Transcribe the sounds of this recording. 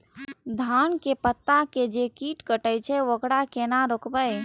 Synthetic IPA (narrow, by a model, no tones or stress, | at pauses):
d̪ʱankepət̪ːaked͡ʒekiʈkəʈəjt͡ʃʰɛʋokɽakenaɾokbəj